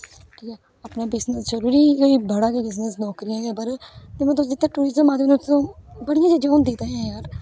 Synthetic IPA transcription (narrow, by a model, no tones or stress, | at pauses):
ʈʰiːkɛː | əpnaːbɪznəsd͡ʒəɾuːɾiːkːiːbəɽaːɡeːbɪznəsnɔːkɾɪjãːɡɛːpəɾt̪emɛ̃ːt̪̬ʊsd̪ɪt̪ːaːʈuːɾɪzəmaːd̪eːnːõːbəɽɪjãːd͡ʒed͡ʒaːnd̪ɪt̪aːɦãːjaːɾ